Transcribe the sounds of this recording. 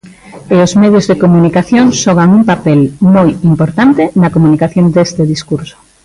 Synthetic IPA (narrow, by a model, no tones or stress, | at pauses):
eozmeðjozðekomunikaθjoŋsɔɣ̞aŋuŋpapelmojimpoɾt̪ant̪enɐkomunikaθjond̪est̪eðiskuɾso̥